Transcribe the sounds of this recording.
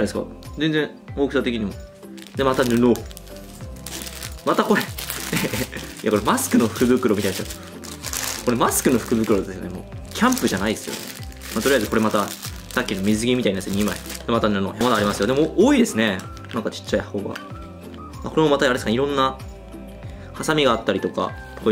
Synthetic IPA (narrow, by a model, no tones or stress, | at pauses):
d̪esɨka̰zend͡zẽ̞ | oːkɯ̟sat̪ekʲiɲ̟imo | d̪emat̪anɯ̟no | mat̪ako̞ɾe | ija̰koɾemasɨ̥kɯ̟no̞ɸɯ̟̥kɯ̟bɯ̟kɯ̟ɾomit̪ainaa | ko̞ɾe̞masɨ̥kɯ̟no̞ɸɯ̥kɯ̟bɯ̟kɯɾo̞d̪esɨone̞mo̞̰ːkʲʰãmpɯ̟ʑanaid̪esɨjo̰ne | mat̪oɾijaezɨko̞ɾe̞mat̪a | sakʲːino̞mʲizɨɡʲimʲit̪aiɲd̪esɨjoɲima̰ḭd̪e̞mat̪anɯ̟no̰ːjamad̪aːɾʲimasɨjo̞d̪e̞moʔoːid̪e̞sɨne̞ | nãŋkat͡ɕi̥t͡ɕːaihhoːɡa̰ | ako̞ɾe̞mo̞mat̪aaɾeskneiɾõ̞nːa | hasamʲiɡaːt̪ːaɾʲit̪o̞ka̰ | ko